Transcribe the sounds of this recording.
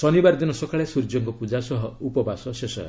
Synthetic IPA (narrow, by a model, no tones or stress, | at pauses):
sɔnibaɾd̪inɔsɔkʰaɭesuɾd͡ʒɔŋkɔpud͡ʒasɔɦɔupɔbasɔsesɔ̰ɾ̰